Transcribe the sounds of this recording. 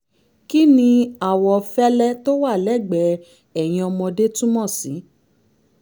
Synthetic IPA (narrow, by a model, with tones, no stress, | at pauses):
ki˦nĩ˧a˨wɔ˧fɛ˦lɛ˦to˦wa˦˨lɛ˦˨ɡ͡bɛ˨˦ | ɛ˨j̃ĩ˧ɔ˧mɔ̃˧de˦tũ˦mɔ̃˦˨sĩ˨˦